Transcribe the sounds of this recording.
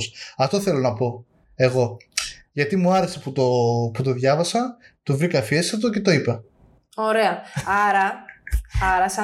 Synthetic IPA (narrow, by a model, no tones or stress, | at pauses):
sɐft̪o̞θe̞lo̞nɐpo̞ | e̞ɣo̞ʝɐt̪imuɐɾe̞seput̪oput̪o̞ðʝɐvɐsɐ | t̪ovɾikɐfiesɐt̪̬oce̞t̪o̞ipɐ | oɾe̞ɐɐɾɐ | ɐɾɐsɐ